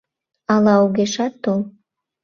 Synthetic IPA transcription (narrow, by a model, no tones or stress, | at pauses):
ɑlɑuɣeʃɑt̪ːolˠ